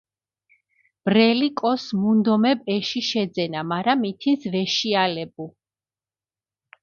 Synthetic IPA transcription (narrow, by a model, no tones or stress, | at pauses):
b̥ɾɛlikʼɔsmund̪ɔmɛbɛʃiʃɛd̪zɛnamaɾamit̪ʰinsvɛʃialɛbu